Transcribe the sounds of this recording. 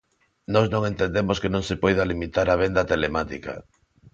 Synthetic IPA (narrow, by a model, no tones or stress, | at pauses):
nɔznõŋent̪end̪emoskenõŋsepɔjð̞alimit̪aɾaβ̞end̪ɐt̪elemat̪ḭka̰